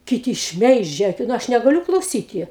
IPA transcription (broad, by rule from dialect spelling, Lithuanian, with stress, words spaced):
kʲɪˈtʲɪ ˈʃʲmʲɛɪʒʲɛ nʊ ˈɐʃ nʲɛɡɐˈlʲʊ klˠɐʊˈsʲiːtʲɪ